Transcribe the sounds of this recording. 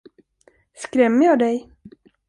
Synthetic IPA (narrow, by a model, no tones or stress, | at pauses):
skɾɛmːəjɑːd̪ɛj